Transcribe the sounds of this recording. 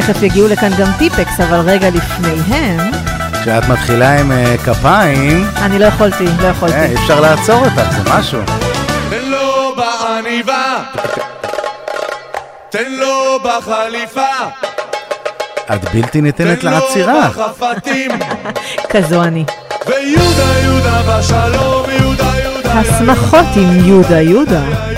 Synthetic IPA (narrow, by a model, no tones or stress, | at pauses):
eχefjeɡiulekanɡamtipeksavalʁe̞ɡalifne̞jɦem | ʃeat̪mat̪χilaimekapaimanilo̞jaχolt̪ilo̞jaχolteiifʃaʁlaːt͡so̞ʁot̪aχzemaʃṵ | obaaniva | t̪enlobaχalifa | ad̪bilt̪init̪enetleat͡siʁafat̪im | kazuanivejud̪ajud̪aaʃaloujhasmaχo̞timjud̪ajud̪a